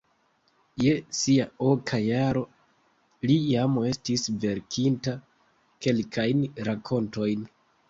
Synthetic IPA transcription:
je̞siao̞kʰajaɾo̞ | lijame̞stisve̞ɾkʰinta | ke̞lkʰajnɾakʰo̞nto̞jn

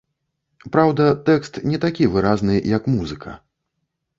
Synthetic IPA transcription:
pɾawd̪ɐt̪ɛkst̪nʲɛt̪akʲivɨɾaznɨjɐkmuzɨkʰɐ̰

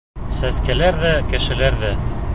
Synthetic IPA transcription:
sæskælæɾðækɘ̆ʃɘ̆læɾðæ

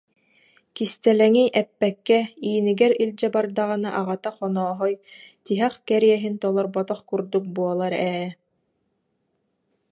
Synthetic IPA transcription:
kist̪ɛlɛŋiʔɛpːɛkːɛiːniɡɛɾilʲd͡ʑɛbaɾd̪aʁɯnaʔaʁat̪aχɔnɔːɦɔjt̪iɦɛχkɛɾiɛɦint̪ɔlˠɔɾbɔt̪ɔχkuɾd̪uk̚buɔlˠaɾɛː

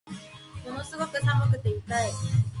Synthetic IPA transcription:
monosɨɡo̞kɯ̟sãŋakɯ̟t̪eit̪ae

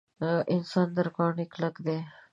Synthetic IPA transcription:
ʔɪnsaːnd̪əɾkaːɳekləɡd̪eː

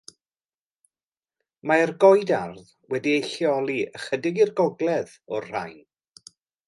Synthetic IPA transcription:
maɛrɡɔjdarð | wɛdiejɬjɔlˠiəχədɪɡirɡɔɡlˠɛð | ɔrr̥a̰jn

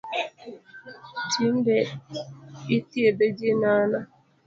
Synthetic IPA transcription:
tʰin̩de | itieded͡ʒinana

